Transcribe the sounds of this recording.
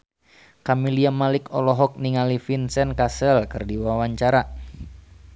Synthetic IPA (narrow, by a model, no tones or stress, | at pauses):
kamiliamalɪkɔlɔɦɔk̚niŋalifinsɛnkasɛlkɨrdiwawaɲt͡ʃaɾa